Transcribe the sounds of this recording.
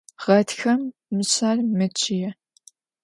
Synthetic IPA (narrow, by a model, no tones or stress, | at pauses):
ʁɐtxɐmːɨɕaːrmɨt͡ʃʼɪjɛ